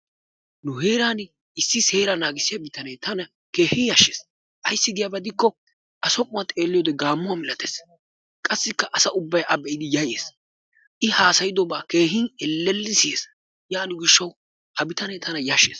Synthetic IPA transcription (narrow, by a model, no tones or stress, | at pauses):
nʊɦeːɾaːn | ɪsːɪse̞ːɾɐnaːɡɪsːɪjɐbɪt̪ɐnɛjt̪ɐnɐ | ke̞ːhɪjaʃːeːs | ʔɐjsːɪɡ̪ɪjabɐd̪ɪkːɔ | ʔɐsɔkʼʊmɐt̪ʼe̞ːlːɪjoːd̪ɛɡaːmːʊwamɪlɐt̪eːs | kʼɐsːɪkːɐʔɐsɐʔʊbːɐjʔɐbɛjɪd̪ɪjɐjḛːs | ʔɪhaːsɐjɪd̪ɔbaːke̞ːɦɪnɛlːɛlːɪsɪjeːs | jaːnʊɡɪʃːɐw | hɐbɪt̪ɐnɛjt̪ʰɐnɐjaʃːḛːs